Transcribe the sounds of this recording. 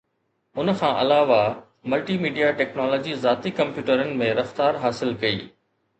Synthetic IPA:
ʊnkʰãːʔɐlaːʋa | mɐlʈiːmiːɖijaʈɛːknɔːlɔːd͡ʑizaːt̪ikɐ̃mpjuːʈəɾənɪ̆mẽɾɐft̪aːɾɦaːsɪlkɐḭː

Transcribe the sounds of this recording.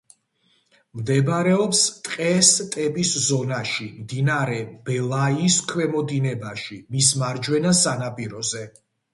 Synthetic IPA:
md̪ɛbɾɛɔpst̪ʼqʼɛst̪ʼɛpʼiszɔnaʃimd̪inaɾɛb̥ɛlˠaiskʰwɛmɔd̪inɛbaʃimismaɾd͡ʒwɛnasanapʼiɾɔzɛ

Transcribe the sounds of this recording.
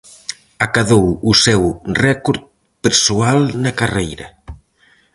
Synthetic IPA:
akaðowusɛwrɛkoɾt̪ | peɾsualnɐkarejɾɐ

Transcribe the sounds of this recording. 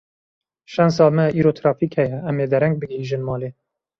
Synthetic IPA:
ʃɛns̬ɑːlmɛiːɾoːt̪ʰɾɑːfikhɛjɛɛmeːd̪ɛɾɛŋɡ̚bɨɡheːʒɨnmɑːleː

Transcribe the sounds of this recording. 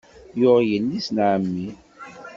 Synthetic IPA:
jʊʁjənːisnʕəmːi

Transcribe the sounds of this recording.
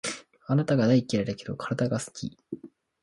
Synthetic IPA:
anat̪aɡad̪aikʲːiɾaɾeke̞d̪o̞kʰaɾad̪aɡasɨ̥kʲḭ

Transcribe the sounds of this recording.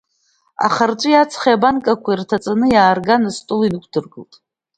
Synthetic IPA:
a̰χarʈ͡ʂʷʼɨjat͡sʰχiabankʼakʷʰairtʰat͡sʼanɨjaːrɡanɨstʼʊlinɨkʷʰdɨrɡɨltʼ

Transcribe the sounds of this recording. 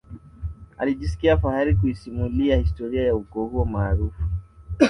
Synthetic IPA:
a̰liʄisi̥kiafahaɾikuisimuliahistɔɾiajaukɔhuɔmaːɾufu̥

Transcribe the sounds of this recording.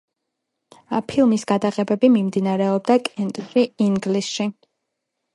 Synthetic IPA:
pʰilˠmisɡ̥ad̪aqʼɛbɛbimimd̪inaɾɛɔb̚d̪akʼɛnt̪ʼsiiŋɡlisʃi

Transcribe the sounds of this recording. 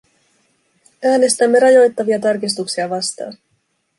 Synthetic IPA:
æːne̞st̪æmːe̞ɾɑjo̞jt̪ːɑʋiɑt̪ɑrkis̬t̪uksiɑʋɑst̪ɑ̰ːn

